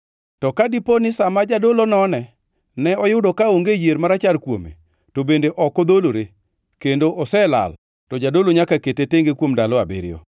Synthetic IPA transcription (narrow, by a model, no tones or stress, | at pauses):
tɔkadiponɪsamad͡ʒadolonɔnɛ | nɛɔjʊdokaoŋɡejeɾmaɾat͡ʃalkwo̰mḛ | tobendeʔɔkɔd̪oloɾe | kendoʔɔsɛla̰l | tɔd͡ʒadoloɲakaketeteŋɡekwomdalɔabɪ̰ɾɪjɔ̰